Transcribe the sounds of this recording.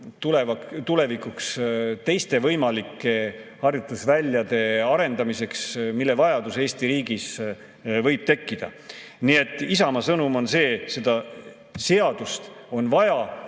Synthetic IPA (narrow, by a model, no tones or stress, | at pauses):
t̪ule̞vɑt̪ule̞vikˑukst̪e̞jst̪e̞vɤjmɑlikːˑe̞hɑrjut̪ːˑusvælʲːjɑd̪e̞ɑɾe̞nd̪̥ɑmise̞ksmilːe̞vɑjɑd̪̥use̞ːst̪iɾiːɡis | vɤjb̥̚t̪e̞kːid̪̥ɑ̰ | nie̞t̪ˑːisɑmɑsɤnumo̞nse̞ːse̞d̪̥ɑ | se̞ɑd̪̥ust̪o̞nvɑjɑ